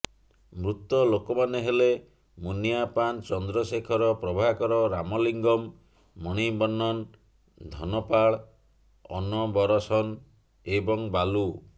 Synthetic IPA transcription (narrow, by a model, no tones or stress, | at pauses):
mɾut̪ɔlokɔmaneɦele | munijapant͡ʃɔnd̪ɾɔsekʰɔɾɔpɾɔbʱaɦkɔɾɔɾamɔliŋɡɔmː | ɔɽ̃ibɔnːɔn | d̪ʱɔnɔpaɭ | ɔ̰nɔbɔɾɔsɔn | ebɔŋbalu